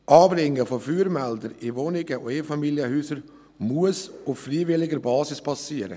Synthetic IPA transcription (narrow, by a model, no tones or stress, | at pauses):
ʔɑːbɾɪŋːəfɔfyːɾmɛldəɾɪvonɪɡəʊeːfɑmiljəhyːsəɾ | muəsʊffriːvɪlɪɡəɾbɑːsɪspʰɑsiːəɾə̰